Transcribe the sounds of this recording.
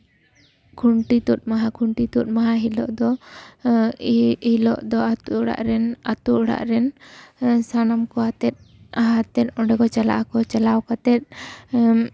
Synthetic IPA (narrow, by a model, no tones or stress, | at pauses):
kʰuɳʈit̪ut̪̚maɦakʰuɳʈit̪ut̪̚maɦaɦilɔ̰ʔd̪ɔ | hilɔʔd̪ɔat̪uʔɔɽa̰ʔɾɛnat̪uʔɔɽa̰ʔɾɛn | sanamkɔat̪ɛt̪̚ | aɦat̪ɛt̪̚ˀɔɖɛkɔt͡ʃala̰ʔakɔt͡ʃalawkat̪ɛt̪̚